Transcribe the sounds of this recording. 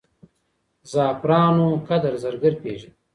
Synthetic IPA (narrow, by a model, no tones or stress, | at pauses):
zɑːpɾɑːnokad̪ɐɾzɐɾɡəɾpeːʐid̪